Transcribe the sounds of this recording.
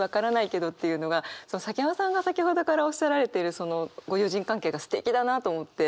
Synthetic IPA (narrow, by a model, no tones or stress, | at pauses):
βakaɾanaike̞d̪o̞t̪ːe̞jɯ̟no̞ɡaso̞no̞sak̬ʲimãsãŋɡasakʲiɦo̞d̪o̞kaɾao̞ɕaɾaɾe̞t̪e̞ɾɯ̟so̞no̞ɡo̞jɯːʑĩŋkãŋke̞ːɡasɨ̥t̪e̞kʲid̪anat̪o̞ːmo̞t̪ːe̞